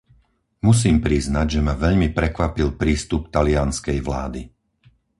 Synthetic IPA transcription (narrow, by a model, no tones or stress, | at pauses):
mus̬iːmpɾiznaɟʒɛmaʋɛʎmipɾɛkʋapilpɾiːst̪up̚t̪alɪanskɛjʋla̰ːd̪i